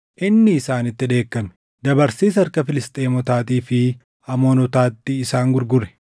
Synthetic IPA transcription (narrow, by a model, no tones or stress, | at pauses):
ʔɪnːɪːsaːnɪt̪ːɪᶑe̞ːkːɐmɛ̥ | d̪ɐbɐɾsiːs̬ɐɐɾkɐfɪlɪst̪ʼeːmɔt̪aːt̪iːfɪ | ɐmo̞ːnɔt̪aːt̪ːɪːsaːŋɡʊɾɡʊrɛ̥